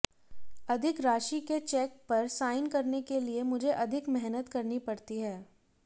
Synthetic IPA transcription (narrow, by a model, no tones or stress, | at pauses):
ɐd̪ʱɪkɾaːʃiket͡ʃɛːk̚pɐɾsaːɪnkɐɾnekeliemʊd͡ʒʱeʔɐd̪ʱɪkmɛɦnət̪kɐɾnipɐɽt̪iɦɛː